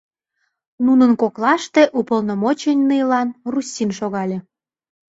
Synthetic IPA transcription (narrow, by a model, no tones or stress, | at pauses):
nunənkoklɑʃt̪eʔupəlnomot͡ɕenʲnɨjlɑnrusʲːinʃoɣɑlʲe